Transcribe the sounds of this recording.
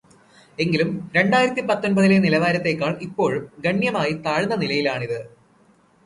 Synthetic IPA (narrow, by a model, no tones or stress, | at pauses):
e̞ŋɡilumɾe̞ɳɖaːjiɾɐt̪ːipɐt̪ːonbɐðilenilɐʋaːɾɐt̪ːe̞kːaːɳipːo̞ːɻumɡɐɳjɐmaːjit̪aːɻnːɐnilɐjilaːɳiðɨ